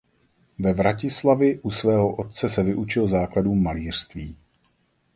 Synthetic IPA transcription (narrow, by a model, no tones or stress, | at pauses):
vɛvɾacɪslavɪʔusvɛːɦoʔo̞t̪̚t͡sɛsɛvɪʔut͡ʃɪlzaːkladuːmːaliːr̝̥st̪viː